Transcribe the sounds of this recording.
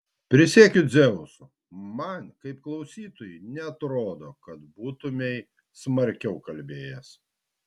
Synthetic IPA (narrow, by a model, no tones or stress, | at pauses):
pʲɾʲɪsʲeːkʲʊd̪zʲɛʊsʊ | mɐnkɐɪp̚klˠɐʊsʲiːt̪oːjɛɪnʲɛɐt̪ɾoːd̪oːkɐt̪buːt̪ʊmʲɛɪ | smɐɾʲkʲɛʊkɐlʲbʲeːjɛs